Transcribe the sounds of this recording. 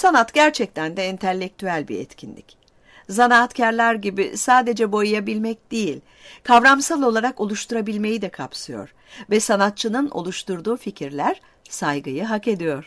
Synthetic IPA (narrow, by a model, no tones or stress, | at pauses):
sanat̪ɟæɾt͡ʃʰɛc̚t̪ʰænd̪ɛint̪ʰɛlʲːɛc̚t̪ʰyælʲbḭɛ̰t̪cʰinlʲḭc | zanaːt̪cʰæɾlʲæɾɟibḭsaːd̪e̞d͡ʒɛbo̞jujabilʲmɛc̚d̪̥ejilʲ | kʰavɾamsalˠo̞lˠaɾako̞lˠuʃt̪uɾabilʲme̞jid̪ɛkʰapsɯjo̞̰ɾ̥ | vɛsanat̪̚t͡ʃʰɯnɯno̞̰lˠuʃt̪ʰuɾd̪uːficʰiɾlʲæɾ̥ | sajɡɯjɯɦake̞d̪ijo̞ɾ̥